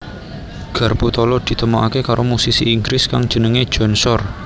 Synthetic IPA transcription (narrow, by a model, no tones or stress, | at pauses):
ɡ̥a̤rput̪ɔlɔd̪̥i̤t̪əmoʔakekaɾomusisiʔːŋɡɾɪskaŋ̥ʒ̥ənəŋe̥ʒ̥ɔ̤nsɔr